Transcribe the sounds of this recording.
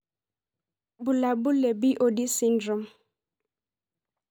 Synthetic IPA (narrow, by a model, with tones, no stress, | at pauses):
bu˨la˨bu˦le˨bi˦ʔo˨di˦si˦ndɾɔ˨m